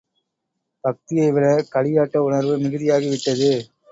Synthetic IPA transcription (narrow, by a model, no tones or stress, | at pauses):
b̥ɐk̚t̪ɪjɐɪʋɪlɐkɐɭɪjaːʈːɐʊɳɐɾʋɯmɪɣɯðɪjaːɣiʋɪʈːɐðɯ